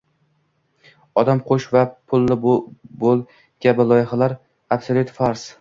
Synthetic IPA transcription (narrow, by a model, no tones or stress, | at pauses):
ɒd̪amqʰoʃvapʰʊlˠːɪbolˠ | ɡ̥ʲabɪlˠɒjɪχalaɾ | absalʲut̪faɾs